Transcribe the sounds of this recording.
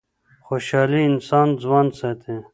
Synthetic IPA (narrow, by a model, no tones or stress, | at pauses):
xoːɕaːliːnsaːnzwaːnset̪ʰe